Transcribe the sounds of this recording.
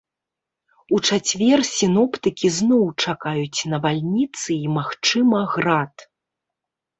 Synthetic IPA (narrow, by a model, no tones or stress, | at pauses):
ut͡ʂat͡sʲvʲɛrsʲinɔpt̪ɨkʲiznɔwt͡ʂakajut͡sʲnɐvalʲnʲit̪sɨimaxt͡ʂɨmɐɣɾat̪